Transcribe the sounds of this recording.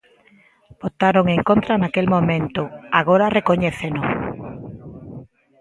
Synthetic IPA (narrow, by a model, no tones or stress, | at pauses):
b̥ot̪aɾoŋeŋkõnt̪ɾanakelmõmẽnt̪ʊaɣoɾarekoɲeθeno